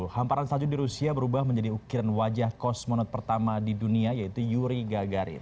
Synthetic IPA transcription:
hampaɾansad͡ʒudiɾusiabəɾubahməɲd͡ʒadiukiɾanwad͡ʒahkɔsmɔnɔt̪̚pərt̪amadiduniajait̪ujuɾiɡaɡaɾḭ

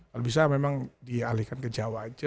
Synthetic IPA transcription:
kalubis̬amemaŋdialihkankəd͡ʒawad͡ʒa

